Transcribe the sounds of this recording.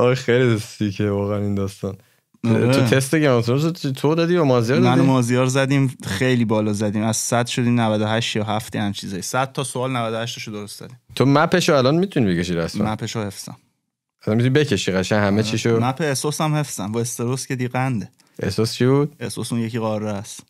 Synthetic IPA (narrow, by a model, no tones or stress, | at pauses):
ɒxejliest̪ikʰevɒːɣɛænind̪ɒːst̪ɒːn | t̪ʰot̪ʰest̪eɟeɾɒmt̪eɾos̬ot̪ʰod̪ɒd̪iːbemɒːzijɒɾmænomɒːzijɒɾzæd̪imxejliːbɒːlɒːzæd̪iːmæz̥sæd̪ʃo̞d̪iːmnævæd̪oɦæʃt̪jɒːɦæft̪ʰehæmt͡ʃʰizɒːjisæd̪̥̚t̪ʰːɒːsoɒːlnævæd̪ohæʃt̪eʃod̪oɾost̪zɒ̰d̪iːmt̪ʰomæpʰeʃoælɒnmit̪ʰunibecʰeʃiɾæsm̰mæpʰeʃohe̞fsæ̰m | ʔæsænmit̪unibecʰe̞ʃiɣæʃænhæmet͡ʃʰiʃomæpʰeesosæmhe̞fsæmbɒest̪eɾoscʰed̪iɣænd̪e | ʔḛsost͡ʃʰibud̪̥̚esosũnjeciːɣɒːrːeæs